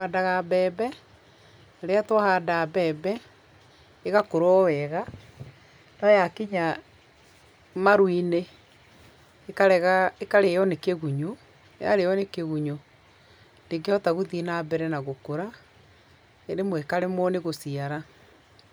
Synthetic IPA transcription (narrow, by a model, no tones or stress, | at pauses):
adaɣabɛːbɛ | aɾeatwahadabɛːbɛ | eɣakoɾɔwɛɣa | nɔjakiɲa | maɾwine | kaɾɛɣaekaɾejɔnekeɣuɲo | ja̰ɾejɔnekeɣuɲo | ndeɡeɔtaɣuðinaːbɛɾɛnaɣokoɾa | eɾemwekaɾemɔneɣosiaɾa